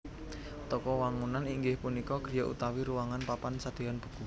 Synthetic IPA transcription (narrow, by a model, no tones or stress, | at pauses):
t̪ɔkɔwaŋunaniŋɡɪhpunikɔɡ̥ɾijɔʔṵt̪awiɾuwaŋanpapansad̪̥e̤anb̥ṳ̥ku